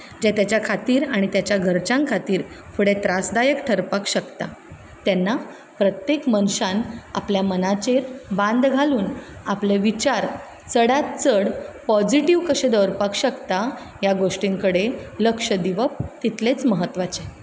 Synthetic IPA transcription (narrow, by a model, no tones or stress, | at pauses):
d͡ʑet̪jat͡ɕjakʰat̪iːɾaɽ̃it̪jat͡ɕjaɡʱəɾt͡ɕãŋkʰat̪iːɾfʰuɽet̪ɾasd̪ajəkʈʰəɾpakɕəkt̪a | t̪ɛnːa | pɾət̪jekmənɕãna̰pljamənat͡ɕeɾbãnd̪ɡʱaluːnapleʋit͡ɕaɾ | t͡səɽat̪t͡səɽpɔd͡ʑiʈiʋkəɕẽd̪əwɾpakɕəkt̪a | jaɡoʂʈiŋkəɽeləkʂəd̪iʋəp̚t̪it̪let͡sməɦət̪ːʋat͡ɕe